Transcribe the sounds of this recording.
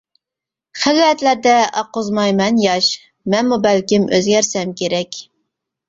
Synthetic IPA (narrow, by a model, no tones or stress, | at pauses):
χælɛt̪læɾd̪ɛɑqʊzmɑjmɛnjɑʃ | mɛnmubælkʲimøzɡʲæɾsɛmkʲeɾɛkʲ